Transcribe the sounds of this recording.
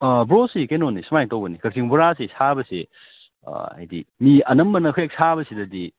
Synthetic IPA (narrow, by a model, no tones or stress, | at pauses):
bɾosikejnonisumajŋtowbɐnikɐk̚sʰiŋbuɾasisabɐsḛ | a̰jdḭmiɐnɐmbɐnɐɦujek̚sabɐsidɐdi